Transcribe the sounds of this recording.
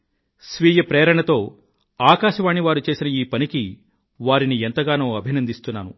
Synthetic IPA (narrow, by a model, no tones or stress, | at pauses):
sʋiːjɐpɾeːɾɐɳɐt̪o̞ː | aːkaːʃɐʋaːɳiʋaːɾut͡ʃe̞ːsinɐiːpɐniki | ʋaːɾinient̪ɐɡaːnuːɐbʱinɐnd̪ist̪unːaːnu